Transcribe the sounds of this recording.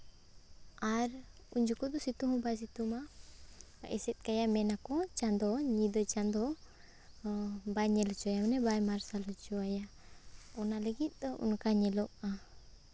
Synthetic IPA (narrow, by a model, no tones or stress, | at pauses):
aɾ | uɲd͡ʒukɔd̪ɔsit̪uɦɔ̃bajs̬it̪uma | ɛ̰sɛt̪̚ˀkajamɛnakɔt͡ʃand̪ɔɲid̪ɔt͡ʃand̪ɔ | bajɲɛlɔt͡ʃɔajamanɛbajmaɾsalɔt͡ʃɔaja | ɔnaləɡit̪̚ˀd̪ṵnkaɲɛlɔʔ̚a